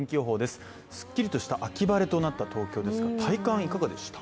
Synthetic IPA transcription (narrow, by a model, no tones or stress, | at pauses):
ŋkʲio̞ːɦo̞ːd̪e̞sɨ̥ | sɨ̥kʲːiɾʲit̪o̞ɕi̥t̪aʔakʲibaɾe̞t̪o̞nat̪ːat̪o̞ːkʲo̞ːd̪e̞sɨɡat̪ʰaikãɰ̃ikaɡad̪e̞ɕi̥t̪ḁ